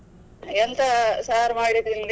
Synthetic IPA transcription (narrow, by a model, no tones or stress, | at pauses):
ɛnt̪ɐsaːɾmaːɽid̪ild̪